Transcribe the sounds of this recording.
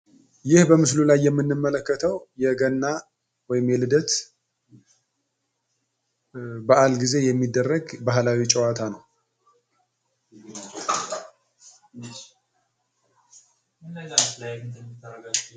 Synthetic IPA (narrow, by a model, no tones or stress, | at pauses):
jɪhbəmɨs̬lulajːɛmːɨnːɨmːələkːət̪ʰəwjɛɡənːa | wɔjɪmjɛlɨd̪ət̪ | bəʔalɡize̞jɛmːid̪ːərːəɡbaɦlawit͡ʃʼəwat̪ʰanəw